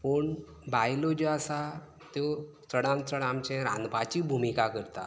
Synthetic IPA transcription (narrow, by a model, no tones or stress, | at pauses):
poɳ | bajlod͡ʑeasa | t̪jo | səɽãnsəɽamt͡ɕɛ̃ɾã̰nd̪pat͡ɕiːbʱumikakəɾt̪a̰